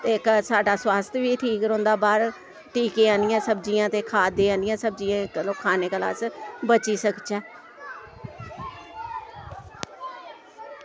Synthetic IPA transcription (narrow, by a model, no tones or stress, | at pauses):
t̪eːksaːɖaːswaːst̪ʰjʋiːʈʰiːkɾõːnd̪aːbaːɾ | ʈiːkeːãːnɪjãːsəbd͡ʒijãːt̪eːkʰaːd̪eːãːnɪjãːsəb̚d͡ʒijãːɪklõːkʰaːneːkəla̰ːsbət͡ʃiːsəkt͡ʃɛː